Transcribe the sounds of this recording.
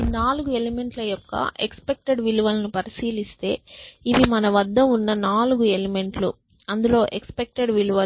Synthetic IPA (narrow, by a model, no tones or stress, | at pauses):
inaːluɡue̞lime̞ɳʈlɐjɔkːɐ̰ʔekspe̞k̚ʈe̞ɖʋiluʋɐlɐnupɐɾisiːlist̪e̞ːiʋimɐnɐʋɐd̪ːɐunːɐnaːluɡue̞leme̞ɳʈlṵ | ɐnd̪ulo̞ːʔekspe̞k̚ʈeɖʋiluʋɐ